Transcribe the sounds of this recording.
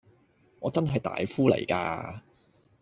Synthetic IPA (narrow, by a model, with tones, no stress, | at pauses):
ŋɔː˨˧t͡sɐ˥nɦɐ˨jt̪a̰ː˨jfuː˥lɐ̰˨˩jka̰ː˧